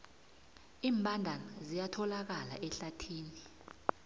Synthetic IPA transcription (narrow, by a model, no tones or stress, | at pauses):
iːmbʱandʱanazijatʰɔlak̬ala̰ʔɛɬatʰiːni